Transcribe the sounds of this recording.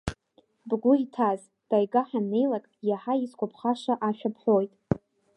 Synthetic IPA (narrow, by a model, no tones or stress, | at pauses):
bɡʷʊjtʰaz | d̥ajɡaħane̞jlakʼjaħaiskʷapʰχaʂaʔaʃᶣapʰħʷojtʼ